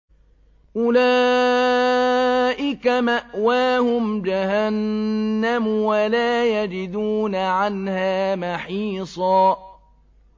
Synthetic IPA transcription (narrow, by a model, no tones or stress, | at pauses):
ʔʊlaː | ʔɪkamaʔwaːhʊmd͡ʒahanːamwalaːjad͡ʒɪd̪uːnaʕanhaːmaħiːsˤɑː